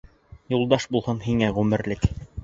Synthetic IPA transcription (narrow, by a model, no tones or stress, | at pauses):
julˠd̪ɑʃbulˠhɤnhiŋæʁʉmɘ̆ɾlɘk